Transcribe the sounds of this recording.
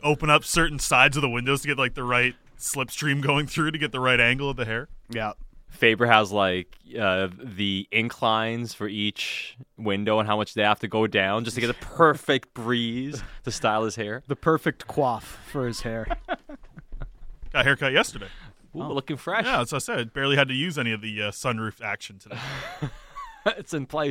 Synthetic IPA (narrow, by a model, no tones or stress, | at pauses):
oʊpə̃ñʌpsɜ˞ʔn̩saɪdzʌvðəwɪ̃ndoʊz̥tʰɨɡɛt̪̚ˡlaɪk̚ðəɹaɪt̚slɪpstɹ̥ĩmɡoʊɪ̃ŋθɹʉɾɨɡɛt̪̚ðəɹaɪɾæ̃ŋɡl̩ˠʌvðɨɦɛɹjæfeɪbə˞hæzlaɪkʌðiɨ̃nkʰl̥ãɪ̃nz̥fə˞it͡ʃwɪ̃ndoʊə̃nɦaʊmʌt͡ʃðeɪhæftɨɡoʊdãʊ̃nd͡ʒʌstʰɨɡɛt̚ðəpʰɜ˞fɪk̚t̚b̥ɹizðɨstaɪlˠɨz̥hɛɹðɨpʰɜ˞fɨk̚tkʰw̥ɔθfə˞ɨz̥hɛɹ | ɡ̥ɑt̚hɛɹkʰʌt̚jɛstə˞ɾeɪ | wulʊkɪ̃ŋfɹɛʃjæsaɪsɛdb̥ɛɹlˠiɨd̚tɨjʉzɛñiʌvðiʌsʌ̃nɹʉftækʃn̩tʰɨð | ɪtsɨ̃npʰl̥eɪs